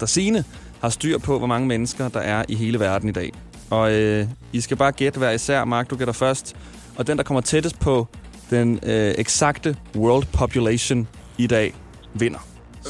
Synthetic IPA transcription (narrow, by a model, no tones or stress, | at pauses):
d̥ɑsiːnə | hɑ̈sd̥y̰ɐ̰pʰɒ̽ʋɒmɑ̈ŋəmenəsɡ̥ɐd̥ɑ̈ʔæɐʔiɦe̝ːləʋæɐd̥n̩id̥ɛ̰ː | ɒ̽øisɡ̥æb̥ɑ̈ːɡ̥ed̥əʋæɐisæɐ̰mɑ̈ːɡ̥d̥oɡ̥eɾ̥ɐfɶɐsd̥ | ɒ̽d̥end̥ɑ̈kʰɒ̽m̰ɐt͡sʰed̥əspʰɒ̽d̥eneɡ̥sɑ̈ɡ̥d̥əwœɐld̥pʰɒpʰjuleɕo̝n | id̥ɛ̰ː | ʋe̝n̰ɐ